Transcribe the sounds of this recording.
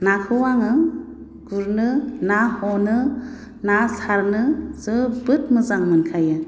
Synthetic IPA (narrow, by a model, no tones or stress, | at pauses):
nakʰɯwaŋɯ | ɡ̥uɾnɯnahɔnɯ | nasaɾnɯzɯbɯt̚mɯzaŋmɯnkʰajɯ